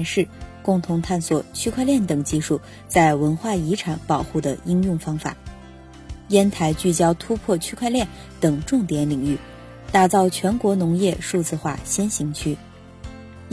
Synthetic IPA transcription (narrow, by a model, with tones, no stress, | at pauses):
ʂɻ̩˥˧kʊ˥˩ŋt̪ʰʊ˧˥ŋt̪ʰa˥˩nswɔ˨˩t͡ɕʰy˥kʰwa˥˧ɪljɛ˥˩nt̪ɤ˨˩ŋt͡ɕi˥˧ʂu˥˩ | t͡sa˥˩ɪwə˧˥nxwa˥˩i˧˥ʈ͡ʂʰa˨˥ŋpɑ˨˩ʊxu˥˩d̪ə̰˩i˥ŋjʊ˥˩ŋfɑ˥ŋfa̰˨˩˦ | jɛ˥nt̪ʰa˧˥ɪt͡ɕy˥˩t͡ɕjɑ˥ʊt̪ʰu˥pʰwɔ˥˩t͡ɕʰy˥kʰwa˥˧ɪljɛ˥˩n | t̪ɤ˨˩ŋʈ͡ʂʊ˥˩ŋt̪jɛ˧˥nli˨˩ŋy˥˩ | t̪a˥˩t͡sɑ˥˩ʊt͡ɕʰɥɛ˧˥nkwɔ˧˥nʊ˧˥ŋjɛ˥˧ʂu˥˧t͡sɹ̩˥˧xwa̰˥˩ɕjɛ˥nɕi˧˥ŋt͡ɕʰy˥